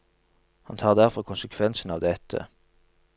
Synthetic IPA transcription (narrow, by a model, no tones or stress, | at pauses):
hɑnt̪ʰɑːʁd̪æʁfɔʁkʰʊnsəkʰʋɛnsn̩ɑːʋd̪ɛt̪ʰə̰